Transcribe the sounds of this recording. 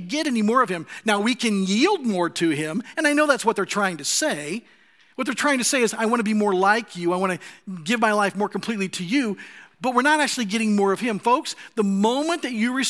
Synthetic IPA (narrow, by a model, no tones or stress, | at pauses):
ɡɛɾɛnimɔɹʌv̥ɨ̃mnaʊwikɨ̃njilˠd̚mɔɹɾɨɪ̃mɨ̃ñaɪnoʊðætswʌt̪̚ðə˞tʰɹ̥aɪɪ̃ŋtʰɨseɪ | wʌt̪̚ðə˞tʰɹ̥aɪɪ̃ŋtʰɨseɪɨzaɪwɑ̃ñɨbimɔɹlaɪkʰjʉaɪwɑ̃ñɨɡɪvmaɪlaɪfmɔɹkm̩pʰl̥itˡliɾɨjʉb̥ʌt̚wɨɹnəɾæk̚t͡ʃʉl̩ˠiɡɛɾɪ̃ŋmɔɹʌv̥ɪ̃mfoʊksðəmõʊ̃mɨ̃nðɨt͡ʃɨɹɨs